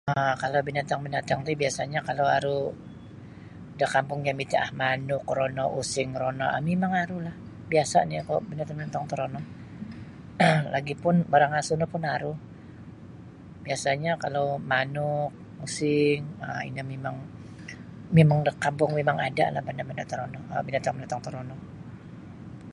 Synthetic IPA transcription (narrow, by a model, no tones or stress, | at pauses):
əkalawbinat̪aŋbinat̪aŋt̪ubiasaɲakalawaɾu | dakampʊŋɲamit̪aʔahmanʊkronɔʔusɪŋɾonɔ̰ʔamemaŋaɾulah | biasa̰nikoʔbinat̪aŋbinat̪aŋt̪əɾonɔ | lʔa̰ɡipʊnbaɾaŋasunapʊnaɾuh | biasaɲakalowmanʊk̚ | usɪŋəḭnamemaŋ | memaŋdakampʊŋmemaŋada̰ʔla̰hbandabandat̪əɾonɔ̰binat̪aŋmənat̪aŋt̪ɔɾonɔ